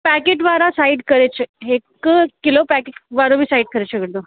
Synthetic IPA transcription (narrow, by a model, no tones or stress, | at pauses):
pækeʈʋaɾasaiɖkəɾet͡ɕeɦekəkilopækeʈʋaɾobiːsaiɖkəɾaɕəkəɽt̪o